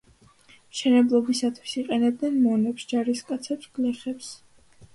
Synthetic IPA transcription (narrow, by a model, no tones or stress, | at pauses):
mʃɛnɛblˠɔbisat̪ʰwisiqʼɛnɛb̚d̪nɛnmɔnɛpsd͡ʒaɾiskʼat̪sʰɛpsɡ̥lɛχɛps